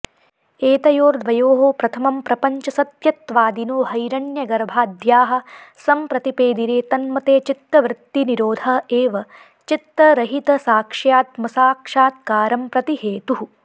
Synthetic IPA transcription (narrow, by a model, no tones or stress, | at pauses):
eːt̪ɐjoːɾd̪ʋɐjoːɦoːpɾɐt̪ʰɐmɐmpɾɐpɐɲt͡ʃɐsɐt̪jɐt̪ʋaːd̪inoːɦɐjɾɐnjɐɡɐɾbʱaːd̪jaːɦɐ̆sɐmpɾɐt̪ipeːd̪iɾeːt̪ɐnmɐt̪eːt͡ʃit̪ːɐʋɾɪt̪ːiniɾoːd̪ʱɐeːʋɐ | t͡ʃit̪ːɾɐɾɐɦit̪ɐsaːkʂjaːt̪mɐsaːkʂaːt̪̚kaːɾɐmpɾɐt̪iheːt̪uɦu